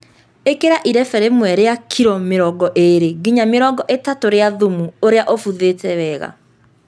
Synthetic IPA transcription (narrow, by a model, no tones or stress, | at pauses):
ekeɾaʔiɾɛfɛɾemwɛɾeakʰiɾɔmeɾɔɡɔʔeɾeɡiɲameɾɔɡɔʔetatoɾeaðomuoɾeaʔofuðetɛwɛːɣa̰